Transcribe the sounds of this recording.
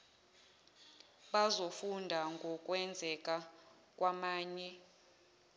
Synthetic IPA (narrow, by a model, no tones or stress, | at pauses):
ɓazofundʱaŋɡʱɔkʼwɛnd͡zʱɛkʼa | kʼwamaːɲɛ